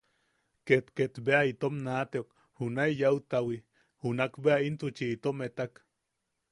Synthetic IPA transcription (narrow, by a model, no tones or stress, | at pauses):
ket̪ket̪beait̪omnat̪eok | hunaijaut̪awi | hunakbeaint̪ut͡ʃiːt̪omet̪ak